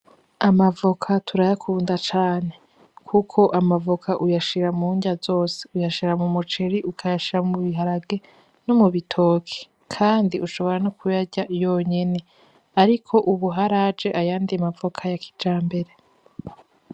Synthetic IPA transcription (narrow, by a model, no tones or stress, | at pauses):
amavo̞kʰatʰuɾajakʰuːndat͡ʃaːne̞ | kʰukʰo̞ʔamavokʰaʔujaʃiɾamuːɲɟazo̞ːse̥ujaʃiɾamumut͡ʃeɾiʔukʰajaʃiɾamuβiɦaɾaɡe̞ | nomuβitʰo̞ːkʰe̥ | kʰaːndiʔuʃo̞βo̞ɾanokʰujaɟajoɲene̞ | aɾikʰo̞ʔuβuɦaɾad͡ʒe̞ʔajaːndiamavo̞kʰajakʰi̥d͡ʒaːmbe̞ɾe